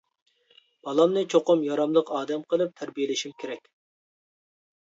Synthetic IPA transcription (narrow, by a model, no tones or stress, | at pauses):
b̥ɑlˠɑmnɨt͡ʃʰoqʊmjɑɾɑmlˠəqɑːd̪ɛmqʰəlˠɨp̚t̪ʰæɾbijelɪʃimkʲʰeɾɛkʲ